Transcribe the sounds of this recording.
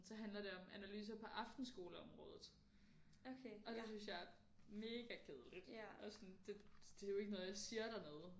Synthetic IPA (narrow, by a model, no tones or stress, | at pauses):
sɒ̽ɦænlɐɾe̝ɒ̽mʔænælyːs̬ɐpʰɒ̽ʔɑ̈fd̥n̩sɡ̥o̝ːləɒ̽mʁɔ̰̽ːð̞ˠð̩ˠ | oeʔɒ̽d̥e̝synsjɑ̈ɪɐ | me̝ːɡ̥ækʰe̝ð̞ˠəlid̥ʔɒsɔnd̥e̝d̥e̝jo̝e̝ɡ̥ənɔ̽ð̞̩ˠjɑ̈ɪsiːɐɾ̥ænɔːðˠ